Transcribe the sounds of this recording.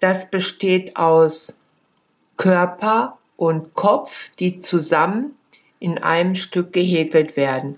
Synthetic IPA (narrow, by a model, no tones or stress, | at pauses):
d̥asb̥əʃteːtaʊs | kʰœɐpɐ | ʔʊntkʰɔp͡fd̥iːt͡suzamən | ʔɪnʔa̰ɪnəmʃtʏk̚ɡ̥əɦeːkl̩tv̥eːɐdn̩